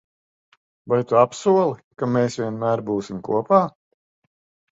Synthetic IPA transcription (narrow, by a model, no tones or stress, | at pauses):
vajt̪uapsuɔlˠikameːsvʲiɛnmæːɾbuːsimkṵɔpaː